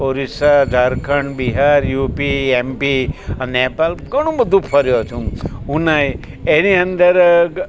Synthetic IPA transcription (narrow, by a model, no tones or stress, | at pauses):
poɾisad͡ʒʱaɾkʰəɳbiɦaɾjupiempinepalɡəɽ̃ũbəd̪ʱũpʰəɾjot͡ʃ̪ʰũunaj | eniə̃nd̪əɾ